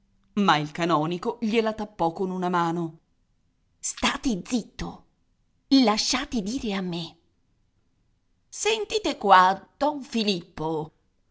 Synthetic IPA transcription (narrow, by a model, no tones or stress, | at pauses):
mailkanɔːnikoʎelat̪apːɔkːonunamaːno | st̪aːt̪ed̪zit̪ːo | laʃːaːt̪ed̪iːɾeamːe | sent̪iːt̪ekwad̪̥ɔɱfilipːo